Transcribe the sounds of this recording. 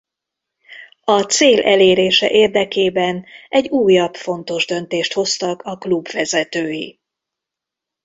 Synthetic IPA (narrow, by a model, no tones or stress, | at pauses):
ɒt̪seːlʔɛleːɾeːʃɛ̰ʔeːrd̪ɛkeːbɛnɛɟːuːjɒbfo̞nt̪o̞ʒd̪ø̞nt̪eːʃt̪ho̞st̪ɒkɒklubvɛzɛt̪øːji